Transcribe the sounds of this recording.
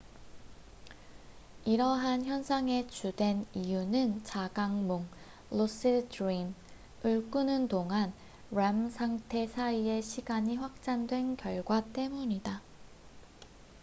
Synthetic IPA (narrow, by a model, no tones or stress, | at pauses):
iɾʌɦançjʌnsʰaŋe̞t͡ɕudwe̞nijunɯnt͡ɕaɡaŋmoŋ | los͈ʰɯdɾim | ɯɭk͈unɯntoŋɦan | ɾamsʰaŋtʰe̞sʰaie̞ɕʰiɡaɲiɸwak̚t͡ɕ͈andwe̞nkjʌɭɡwat͈e̞muɲida